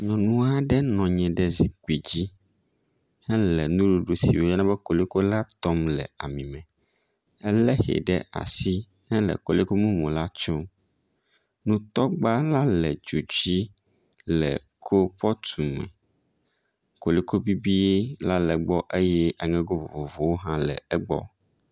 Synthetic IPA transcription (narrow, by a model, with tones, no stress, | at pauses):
ɲɔ̃˨nũ˦a˦ɖɛ˦nɔ̃˨ɲɛ̃˨ɖɛ˦zi˨k͡pe˨d͡ʑi˦ | hɛ˦lɛ˨nũ˦ɖo˨ɖo˨sḭ˨wo˦ɛ˦nã˦bɛ˦ko˨le˦ko˦la˦t̪ɔ˦mlɛ̰˨a˨mĩ˨mɛ̃˨ | ɛ˦lɛ˦xɛ̰˨ɖɛ̰˦ʔa̰˨si˦ | hɛ˦lɛ̰˨kɔ˨le˦ko˦mũ˦mõ˨la˦t͡ʃɔ˦ | nũ˦t̪ɔ˦ɡ͡ba˦la˦lɛ˨d͡ʒo˨d͡ʑi˦ | lɛ̰˨ | kʰo˦ɸɔ˦t̪ʰu˨mɛ̰̃˨ | ko˨le˦ko˦bi˦bi˦e˦la˦lɛ˨ɡ͡bɔ˦ʔe˦jɛ˦a˨ŋɛ̃˦ɡo˦vo̰˨vo˨vo˨wo˦ɦã˦lɛ̰˨ɛ˦ɡ͡bɔ̰˦